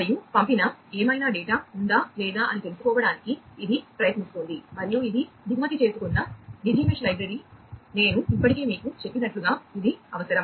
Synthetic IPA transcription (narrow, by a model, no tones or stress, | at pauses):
mɐɾijupɐmpinɐeːmɐjnaːɖɛːʈaːund̪aːlɛːd̪aːʔɐnit̪e̞lusu̥kɔːʋɐɽaːnikiːd̪ipɾɐjɐt̪nist̪oːnd̪imɐɾijoːid̪i | d̪ʱiɡmɐt̪it͡ʃe̞ːsukunːɐɖid͡ʒiːmeʂlɐjbɾeɽine̞ːnuipːɐʈike̞ːmiːkut͡ʃe̞pːinɐʈluɡaːid̪iɐʋɐsɐɾɐm